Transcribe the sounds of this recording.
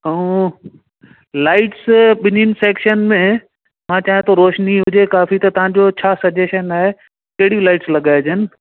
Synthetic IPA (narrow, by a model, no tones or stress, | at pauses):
ɦõ | laːɪʈsɓɪninɪ̆seːkʃənmẽ | mãːt͡ɕaːij̃t̪ʰoɾoːʃniɦʊd͡ʑekaːfit̪ɐt̪ɐʋãd͡ʑot͡ɕʰaːsɐd͡ʑeːʃənaːɦe | kɐɦɪɽilaːɪʈslɐɠaːed͡ʑənɪ̆